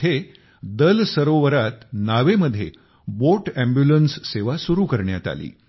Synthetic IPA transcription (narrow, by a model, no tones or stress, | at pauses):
e | d̪əlsəɾoʋəɾat̪naʋeməd̪ʱːje | boʈæ̃mbjulənsːeʋasuɾuːkəɾɳjat̪a̰lḭː